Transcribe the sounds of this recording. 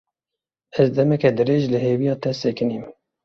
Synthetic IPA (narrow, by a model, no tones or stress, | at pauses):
ɛzd̪ɛmɛkɛd̪ɨɾeːʒlɨheːvijɑːt̪ʰɛsekɨniːm